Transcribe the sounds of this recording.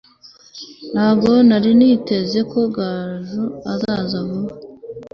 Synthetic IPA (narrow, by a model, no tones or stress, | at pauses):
n̥haːbɡo̞naɾinite̞ze̞ko̞ɡaːʒuazaːzaɦo